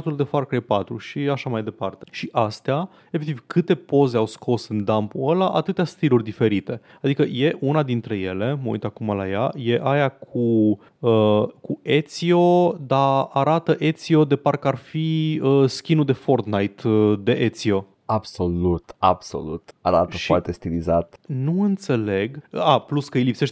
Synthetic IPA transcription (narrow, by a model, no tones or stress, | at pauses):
t̪uld̪e̞farkɾejpat̪ɾṵʃiaʃamajd̪e̞part̪e̞ʃiʔast̪ea | efek̚t̪ivkʰɨt̪e̞po̞ze̞awskʰo̞sɨnd̪ampuəlaʔat̪ɨt̪east̪ilurʲd̪ife̞ɾit̪e̞ | ad̪ikəje̞ʔunad̪int̪ɾe̞je̞le̞məṵjt̪akumala̰ja̰je̞ʔajakʰu | əkue̞t̪sio̞d̪aːɾat̪əʔe̞t̪sio̞d̪e̞parkəarfiəskʲinud̪e̞fo̞rt̪najt̪d̪e̞ʔet̪sio̞ | abso̞lut̪a̰b̥so̰lṵt̪aɾat̪əʃfoart̪est̪ilizat̪nuɨnt̪se̞le̞ɡəapluskəijlipse̞ʃt̪